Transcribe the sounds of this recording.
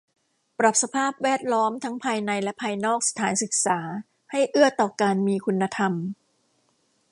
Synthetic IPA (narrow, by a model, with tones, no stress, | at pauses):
pɾa˨˩p̚sa˧pʰaː˥˩p̚wɛː˥˩t̪̚lɔː˦˥mt̪ʰa˦˥ŋpʰaː˧jna˧jlɛ˦˥pʰaː˧jnɔː˥˩k̚sḁ˧t̪ʰaː˩˦nsɯ˨˩k̚saː˩˦ | ha˥˩jʔɯ˥˩ɐt̪ɔː˨˩kaː˧nmiː˧kʰu˧nːa˧t̪ʰa˧m